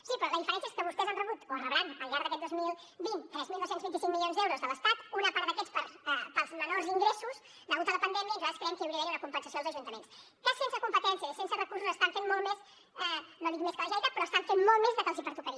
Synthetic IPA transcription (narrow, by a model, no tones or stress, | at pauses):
sipɾɔləðifəɾɛnsiəeskəβust̪ɛzanrəβut̪orəβɾanəlʎaɾðəkɛt̪ozmilˠ | bint̪t̪ɾɛzmilˠd̪owsenzβint̪isiŋmiljonzðɛwɾuzðələst̪at̪unəpaɾðəkɛt͡spəɾpəlˠzmənoziŋɡɾesus | d̪əɣut̪ələpənd̪ɛmjəizaðskɾɛɛmkəəwɾiəβeɾunəkumpənsəsjoðlˠzəʒunt̪əmens | kəsensəkumpət̪ɛnsiəisensərəkursuzəst̪aɱfenmɔlˠmes | ɛnoðit̪meskələʒɛjt̪əpɾɔəst̪aɱfenmɔlˠmezðəkəlˠzipəɾt̪ukəɾi